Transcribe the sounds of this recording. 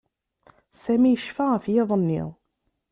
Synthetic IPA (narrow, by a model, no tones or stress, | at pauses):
sæmijəʃfaʁfjɑðˤənːḭʁˤ